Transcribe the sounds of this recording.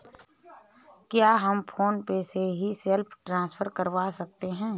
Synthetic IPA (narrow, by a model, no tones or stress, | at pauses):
kjaːɦəmpʰoːnpeseɦiselpʰʈɾãːspʰəɾkəɾʋasɐk̚t̪eɦɛ̃ː